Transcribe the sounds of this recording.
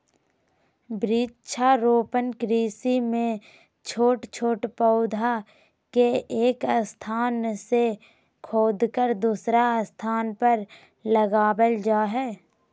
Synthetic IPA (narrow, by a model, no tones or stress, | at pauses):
bɾiːt͡ʃʰaɾoːpənkɾiːsimẽ | t͡ʃʰoːʈt͡ʃʰoːʈpəʊd̪ʱa | keeːkst̪ʰaːnse | kʰoːd̪kəɾd̪uːsɾast̪ʰaːnpəɾ | ləɡaːbəld͡ʒaːɦɛː